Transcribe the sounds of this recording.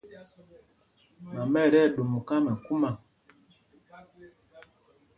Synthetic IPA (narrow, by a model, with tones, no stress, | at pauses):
ma˨mɛ˦˨ɾɛ˦˨ɗu˨m˨ka˦mɛ˨ku˦ma˨